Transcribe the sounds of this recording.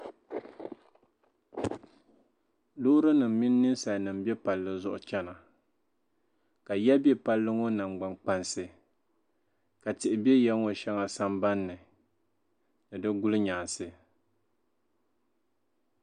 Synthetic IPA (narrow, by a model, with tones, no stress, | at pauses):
lʊː˦ɾɨ˦nɨ˨m̩˨mi˦nː˦ɨ˦sa˨nɨ˨m˦bɛ˦pa˨lːɨ˨zʊ˦ʔʊ̰˨t͡ʃɛ˦na˨ | ka˨jɛ˦bɛ˦pa˦lːɨ˦ŋo˦na˨ŋ͡mɡ͡ba˨ŋk͡pa˦nsɨ˨ | ka˨tɪ˨ʔɪ˨bɛ˦jɛ˦ŋo˨ʃɛ˦ŋa˨sa˦mba˦nːɨ˨ | nɨ˨dɨ˦ɡʊ˦lɨ˦ɲa˨nsɨ˦